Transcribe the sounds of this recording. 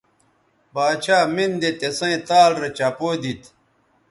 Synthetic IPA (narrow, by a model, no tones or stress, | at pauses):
baːt͡ɕʰaːmind̪et̪esɐ̃ĩt̪aːlɾet͡ɕapoːd̪it̪